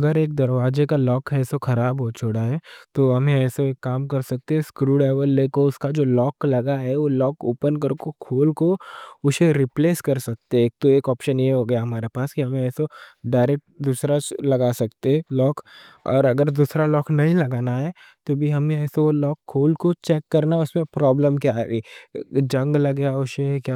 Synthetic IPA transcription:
ɐɡəɾeːk̚d̪ɐɾʋaːd͡ʒekalɔːkɛːsoxɐɾaːbɦot͡ʃʰoɽaɦɛt̪oːɦɐmẽɛːsoeːkːaːmkɐɾsɐk̚t̪eɦɛ̃skɾuːɖɛːʋəlːeːkoʊskad͡ʒoːlɔːklɐɡaɦɛʋolɔːkoːpənk̬ɐɾkokʰoːlkoʊseɾɪpleːskɐɾsɐk̚t̪eeːk̚t̪oeːkɔːpʃənjeɦoɡɐjaɦɐmaːɾepaːskiɦɐmẽɛːsoɖaːɪɾɛk̚ʈ̚d̪uːsɾat͡ʃlɐɡasɐkt̪eɛ̃lɔːkɔ̰ːɾɐɡəɾd̪uːsɾalɔːknɐɦĩlɐɡaːnaɦɛ | t̪obʱiɦɐmeɛːseolɔːkʰːoːlkot͡ʃɛːkːɐɾnaʊsmẽpɾɔːbləmkjaːeːd͡ʒɐ̃ŋɡlɐɡjaʊʃekjaː

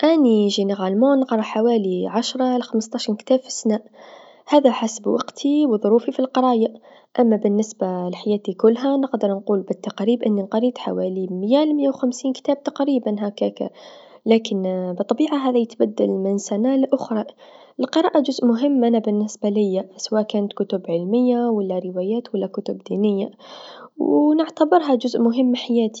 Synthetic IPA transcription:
ʔaniʒeneɣalmonɑqɾˤɑħawaːliʕaʃɾˤɑlxaməst̪ˤɑːʃɾˤkt̪aːbfi̥snaːʔ | haːðaħasbwʔɑqt̪ʰiwðˤʊɾuːfifilqɨɾˤɑːja | ʔamːabɪnːɪsbalħajaːt̪ikʊlːɦanɪqd̪əɾˤnquːlbɪt̪ːɑqɾiːbʔɪnːinqɑɾiːt̪ħa̰waːlimjalmɪjːawxamsiːnkt̪aːb̚t̪ɑqɾiːbanɦakaka̰ | laːkɪnbɨt̪ˤːɑbiːʕaɦaːðijɪt̪bad̪ːalmɪnsanalʔʊxɾˤɑ | ɪlqɨɾˤɑːʔad͡ʒʊzʔmʊɦɪmːʔanabɪnːɪsbalɪjːasawaːʔkaːnat̪kʊt̪ʊbʕɪlmɪjːawalːaɾɪwaːjaːt̪walːakʊt̪ʊbd̪iːnɪjːa | wnɪʕt̪abɪɾˤɦad͡ʒʊzʔmʊɦɪmːħajaːt̪i̥

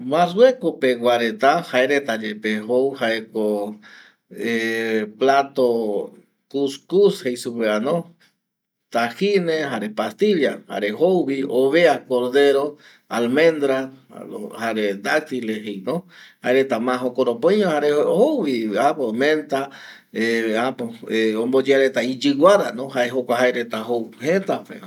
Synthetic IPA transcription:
mãswekopeɡwaɾet̪ahaeɾet̪ad͡ʒepeɦowhaeko | eplat̪o | kuskushejsupeanõ | t̪ahineɦaɾepast̪iʎaha̰ɾeɦowβioβeakoɾðeɾo | almẽnd̪ɾaohaɾed̪ak̚t̪ileɦejnõhaeɾet̪amãɦokoɾopõjɲõhaɾeohowβiapomẽnt̪a | eapoeõmbod͡ʒeaɾet̪aid͡ʒɨwaɾanoɦaeɦokʷaɦaeɾet̪aɦowhet̪apḛ

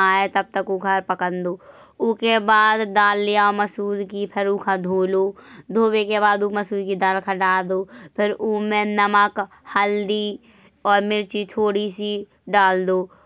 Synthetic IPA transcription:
aːet̪ɐb̚t̪əkuɡʱəɾpəkə̃nd̪oː | ʊkebaːd̪ːaːlːijaməsuːɾkipʰɪɾuːkʰad̪ʱoːloːd̪ʱoːwekebaːd̪uməsuːɾkid̪aːlkʰaɖaːld̪oːpʰɪɾuːmẽnəməkhəld̪i | ɔːɾmɪɾt͡ʃit̪ʰoːɽisi | ɖaːld̪oː

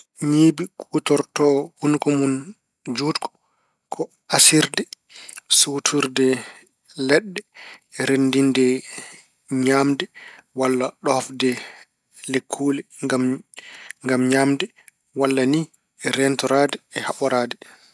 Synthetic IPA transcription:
ɲiːbikʼutɔɾtɔhunkɔmun | d͡ʒuːtkʰɔ̥ | kʰɔ | asiɾdɛ | sutʰuɾdɛ | lɛɗːɛɛɾendindɛ | ɲaːmdɛwalːaɗɔhafdɛ | lekʰːuːlɛɡam | ŋɡamɲaːmdɛ | walːani | ɛɾɛntɔɾaːdɛɛhaɓɔɾaːdɛ

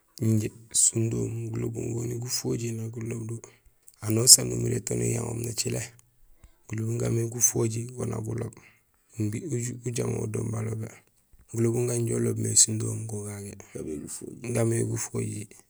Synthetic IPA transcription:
iɲɟesundoːmɡulo̰bṵŋɡoniɡufoɟinaɡulobdu | anosanumiɾetonḭjaŋo̰ːmnat͡ʃile | ɡ̥ulobuŋɡameɡufoɟiɡona̰ɡulob̚ | mbiuuɟamo̰udo̰ːmbalobe | ɡulobuŋɡaɲɟolobmesundoːmɡoɡaɡe | ŋɡameɡufoɟi

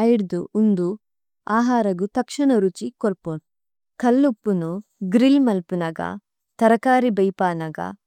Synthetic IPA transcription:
ɐjiɽd̪uund̪u | aːɦaːɾɐɡut̪ɐkʂɐɳɐɾut͡ʃikoɾpon | kɐlːupːunu | ɡɾilmɐlpunɐɡɐ̰ | t̪ɐɾɐkaːɾibɐjpaːnɐɡɐ̰

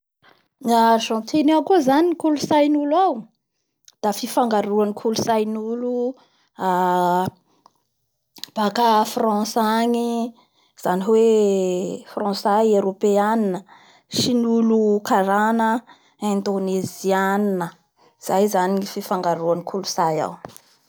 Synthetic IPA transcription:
ŋaʒɔ̃nt̪ʰenaakuzaniikulusajnulaw | d̪̥afifaŋɡaɾuaŋikʰulusajnulu | a | b̥akafrɑ̃saɲi | z̥aniwe | frɑ̃sajeɾopeaninə | ʃinulukaɾanə | ɛ̃nd̪oneziannə | z̥ajzaniififaŋɡaɾuaŋikʰulusaja̰w

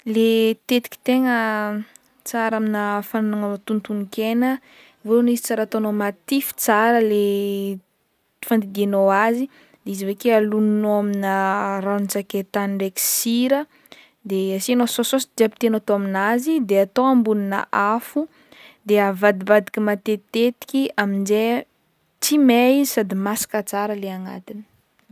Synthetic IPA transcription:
let̪et̪i̥ki̥t̪eŋə | t͡saɾaminəfananaŋaot̪unt̪unikenə | vonizit͡saɾat̪onomat̪ifi̥t͡saɾəle | fand̪iɡenowazi | d̪eizivekealuninoaminəranit͡saket̪aniɳɖ͡ʐeki̥siɾə | d̪easinosososid̪iapit̪enat̪oaminazid̪eat̪oambuninə̰ʔafu | d̪eavad̪ibad̪i̥kʲimat̪et̪et̪i̥kʲiaminze | t͡simesad̪imasḁkət͡saɾəleaŋa̰t̪inə̥

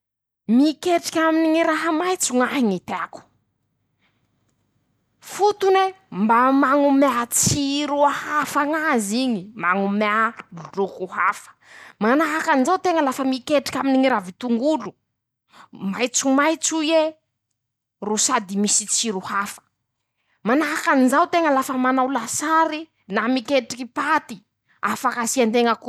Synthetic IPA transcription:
mikeʈ͡ʂi̥kʲaminiŋiɾaɦəmajt͡suŋaɦiŋit̪eaku̥ | fut̪une | mbamaŋumeat͡siɾuahafaŋaziɲimaŋumauɖ͡ʐukuɦafə̥manaɦakanizawt̪eŋəlafəmikeʈ͡ʂi̥kʲaminiŋiɾavit̪uŋɡulu | majt͡sumajt͡suje | rusad̪imisit͡siɾuhafə̥ | manaɦakanizawt̪eŋəlafəmanawlasaɾi | namikeʈ͡ʂikipat̪i | afakasiant̪eŋəku

